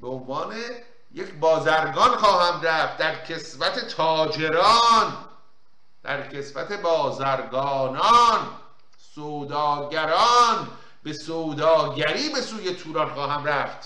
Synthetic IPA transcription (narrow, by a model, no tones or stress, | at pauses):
b̥eonvɒːne | jecʰbɒːzæɾɡɒːnχɒːhæmræft̪̚d̪æɾkʰesvæt̪ʰe̞t̪ʰɒːd͡ʒe̞ɾɒːn | d̪̥æɾkʰe̞svæt̪ʰe̞bɒːzæɾɡɒːnɒːn | soːd̪ɒːɟæɾɒːn | be̞soːd̪ɒːɟæɾiːbe̞suːje̞t̪ʰuːɾɒːnxɒːɦæmræft̪